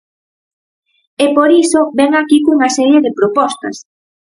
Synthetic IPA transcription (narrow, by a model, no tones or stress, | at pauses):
epoɾisobɛŋakikuŋɐsɛɾjeðepɾopɔst̪ɐ̰s